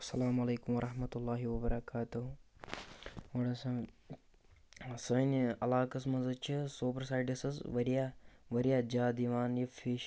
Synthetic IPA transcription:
ɐsːɐlaːmɐleːkumʋɐɾʔɐɦmɐt̪ulːaːɦiʋɐbɐɾɐkaːt̪uɦu | ʋɐɽɐsɐ | sɐɐnɐlaːkɐsmɐnzɐt͡ʃʰisoːbɾsaːjɖɐsɐzʋɐɾijaʋɐɾijaːd͡ʒaːd̪iʋaːnjɐfiʃ

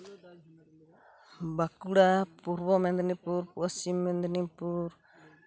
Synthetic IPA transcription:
bakuɽapuɾbɔmɛnd̪nipuɾpuasimːɛnd̪ɛnipuɾ

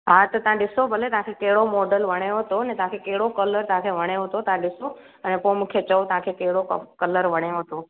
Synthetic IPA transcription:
ɦãt̪ət̪ãɗɪsobʱəlet̪ãkʰekeɽomoɖəlʋəɽ̃eɦət̪oənet̪ãkʰekeɽokələɾt̪ãkʰeʋəɽ̃eɦot̪ot̪ãɗɪso | ənepõmʊkʰjet͡ʃəwt̪ãkʰekeɽokələɾʋəɽ̃eɦət̪o

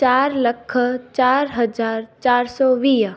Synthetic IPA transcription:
t͡ʃaːɾləkʰt͡ʃaːɾɦɐd͡ʒaːɾt͡ʃaːɾsɔːʋiː

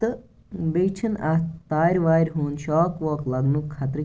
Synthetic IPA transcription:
ɨ | beːt͡ʃʰɐnɐt̪aːɾʲʋaːjɾʲɦoːnʃɔːkʋɔːklɐɡnukʰːɐt̪ɾɨ

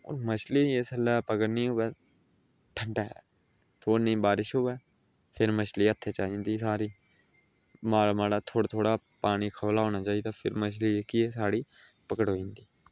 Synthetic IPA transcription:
o̰ːɾmət͡ʃʰliːesəlːaːpəkəɾnĩːɦoːʋɛː | ʈʰəɳʈɛ | t̪ʰoːnĩːbaːɾɪʃɦoːʋɛː | pʰɪɾmət͡ʃliːət̪ʰːeːt͡ʃaːĩːnd̪iːsaːɾiː | maːlmaːlaːt̪ʰoːɽt̪ʰoːɽaː | paːɽ̃iːkʰəʋlaːɦoːnaːt͡ʃaːiːd̪aːpʰɪɾmət͡ʃʰliːeːkieːsaːɽiː | pəkəʈɦoːĩːnd̪iː

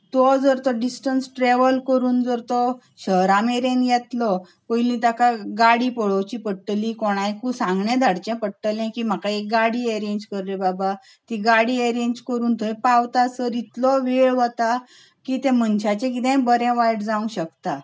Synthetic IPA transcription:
t̪ɔd͡zəɾt̪ɔɖisʈənsʈɾeʋəlkəɾuːnd͡zəɾt̪ɔ | ɕəɦɾameɾẽnjet̪lɔ | kojlĩt̪akaɡaɽipɔɭəwt͡ɕiːpəʈːəlikoɽ̃ajkusãŋɡɳɛ̃d̪ʱaɽt͡ɕɛ̃pəɽʈːəlɛ̃kiːm̤akaek̚ɡaɽiːeɾẽɲd͡ʑkəɾlebaba | t̪iɡaɽiːeɾend͡ʑkəɾuːnt̪ɔɦɛpawt̪asəɾit̪lɔʋeɭʋɔt̪a | kiːt̪ɛ̃mənɕat͡ɕɛ̃kit̪ɛ̃bəɾɛ̃ʋajʈd͡zaũɕəkt̪a

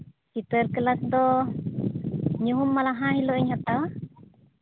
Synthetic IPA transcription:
kit̪əɾkəlak̚d̪ɔ | ɲuɦumːalaɦãhilɔiɲhat̪awa

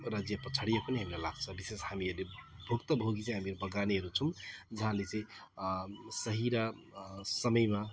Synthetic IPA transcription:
ɾʌd͡zijapʌt͡sʰaɽijekuneɦamilalaɡ̚t͡sʰʌbiseshamielebʱuɡt̪ʌbʱoɡit͡sãj̃ɦamiɾubʌɡaniɦʌɾut͡sʰʌmd͡zʌɦãlet͡sãĩ | sʌɦiɾa | sʌmʌjma

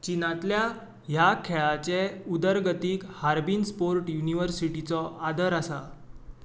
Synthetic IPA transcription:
t͡ɕinãt̪lja | ɦjakʰeɭat͡sɛud̪əɾɡət̪iːkhaɾbinspoɾʈjuniʋəɾsiʈit͡sɔʔad̪əɾasa

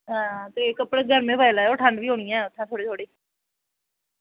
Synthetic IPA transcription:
ɦãːt̪eːkəpɽeːɡʱəɾmẽːbailaɛoːʈʰəɳɖʋiːɦoːɳɪjãːɛːʊt̪ʰːãːt̪ʰoːɽeːt̪ʰoːɽiː

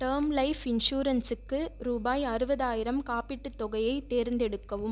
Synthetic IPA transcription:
ʈ̪ɐːmlɐɪfɪnʂuːɾɐnsɯkːɯɾuːbaːjɐɾɯbɐðaːjɪɾɐmkaːpɪʈːɯt̪ːɔɣɐjɐɪt̪ːeːɾnd̪ɛɽɯkːɐʋɯm

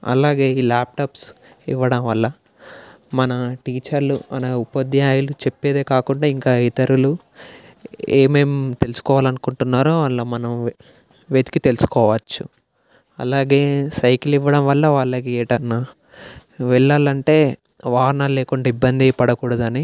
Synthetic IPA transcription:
ɐ̰laːɡe̞ːiːlaːp̚ʈaːps | ḭʋːɐɽɐmʋɐlːɐ | mɐnɐʈiːt͡ʃɐɾluɐnɐupɐd̪ːiaːjɐlut͡ʃe̞pːeːd̪eːkaːkuɳɖaːiŋkaːit̪ɐɾulu | eːme̞ːmt̪e̞lusu̥kɔːʋaːlɐnukuɳʈunːaːɾoːʋaːɭːoːmɐnɐm | ʋed̪i̥kit̪e̞lusu̥kɔːʋɐt͡ʃːu | ɐ̰laːɡe̞ːsɐjkiliʋːɐɽɐmʋɐlːɐʋaːɭːɐkieːʈɐnːa | ʋɛɭːaːlɐɳʈe̞ː | ʋaːɾnaːlːeːkuɳɖaibːɐnd̪ipɐɽɐkuːɽɐd̪ɐni

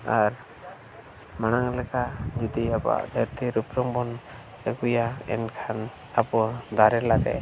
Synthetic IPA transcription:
aɾ | manaŋlɛkad͡ʒud̪iaba̰ʔd̪ʱəɾt̪ʰiɾupɾɔŋbɔn | əkujaɛ̰nkʰan | apɔd̪aɾɛlaɡɛ̰

